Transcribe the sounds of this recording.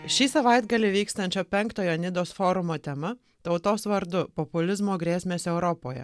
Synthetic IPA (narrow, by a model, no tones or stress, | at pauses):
ʃʲiːsɐʋɐɪd̪ɡɐlʲɪʋʲiːkst̪ɐnʲt͡ʃʲoːpʲɛŋkt̪oːjoːnʲɪd̪oːsfoːɾʊmoːt̪ʲɛmɐ | t̪ɒʊt̪oːsʋɐɾd̪ʊpɔpʊlʲɪzmoːɡɾʲeːsʲmʲeːsʲɛʊɾɔpoːjɛ̰